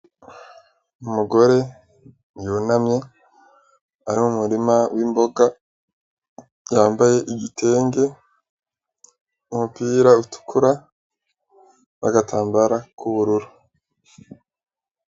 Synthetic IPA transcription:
umuɡo̞ɾe̞ | njunamɲe̞ | aɾimumuɾimawiːmbo̞ɡa | jaːmbaje̞ʔiɡitʰe̞ːŋɡe̞ | umupiːɾautu̥kʰuɾa | naɡatʰaːmbaɾakʰuβuɾuɾu

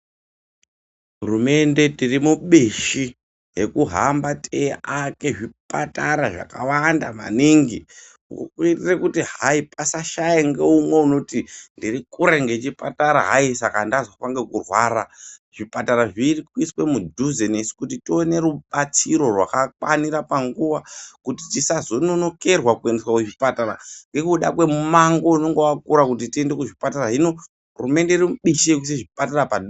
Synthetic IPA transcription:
ɦurume̞nde̞tirimuɓeʃi | ɦe̞kuɦambateʔake̞ʐipʼataɾaʐa̰kawandama̰niŋɡi | ukkwiitirekutiɦaipasaʃajeŋɡeumwe̞uno̞tindirikuɾe̞ŋɡe̞t͡ʃipataɾaɦaisakandazofaŋɡe̞kurwaːɾaʐ̥ipataɾaʐirikwiswe̞mudʱuzenesi̥kutitione̞ɾuɓat͡siɾo̞rwa̰kakwaniɾapaŋɡuʋakutitisazo̞nono̞ke̞rwakueneswakweʐipataɾa̰ŋɡe̞kuɗakwe̞mumaŋɡo̞uno̞ŋɡewakuɾakut̬itie̞nde̞kuʐipataɾaɦino̞ | rume̞ndeirimuɓiʃek̬us̬iʐipataɾapad

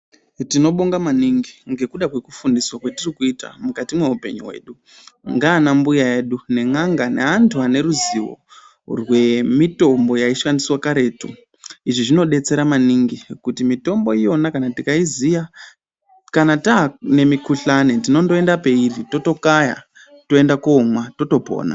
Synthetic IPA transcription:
tino̞ɓoŋɡamaniŋɡiŋɡe̞kuɗakwe̞ku̥fundiswakwetirikuita̰mukatimwe̞upe̞̰ɲṵwḛːɗu | ŋɡaːnambujaje̞ːɗune̞ŋaŋɡaneantʰuane̞ɾuziwo̞̰ | rwe̞mito̞mbo̞jaiʃwandiswakaɾe̞ːtṵ | iʐiʐino̞ɗe̞t͡se̞ɾamaniŋɡikutimito̞mbo̞ijo̞nakanatikaizija | kanatane̞mikuɬanetino̞ndoe̞ndape̞irito̞to̞kaja̰ | to̞e̞ndakoːmwato̞to̞po̰ːna̰

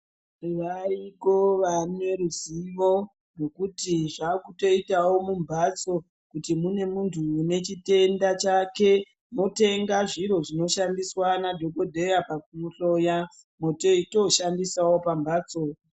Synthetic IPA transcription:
ʋaiko̞ʋanwe̞ɾuziʋo̞ | no̞kutiʐakuto̞itawo̞mumbʱat͡so̞ | kutimune̞muntʰuːne̞t͡ʃite̞ndat͡ʃake̞ | mo̞te̞ŋɡaʐiɾo̞ʐino̞ʃandiswanadʱo̞ko̞dʱe̞japak̚umuɬo̞ja | mo̞toito̞ʃandisawo̞pambaːt͡so

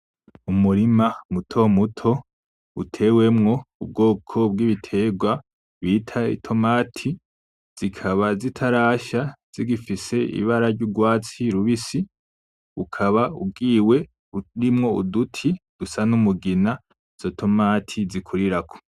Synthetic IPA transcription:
umuɾimamutʰo̞mutʰo̞ | utʰe̞we̞mŋo̞ub̚ɡo̞ːkʰo̞b̚ɡiβitʰe̞ɡwa | βiːtʰaḭtʰo̞maːtʰi | z̥ikʰaβazitʰaɾaːʃaz̥iɡifise̞ḭβaɾaɾɟuɡwaːt͡siɾuβisi | ukʰaβaṵbɡiːwe̞ | ɾimŋo̞ṵdutʰid̥usanumuɡina | z̥otʰo̞maːtʰizikʰuɾiɾakʰo̥

